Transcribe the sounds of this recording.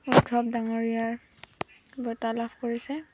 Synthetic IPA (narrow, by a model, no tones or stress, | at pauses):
udʱɹɔbdaŋoɹijaɹ | bɔtalabʰʱkoɹisɛ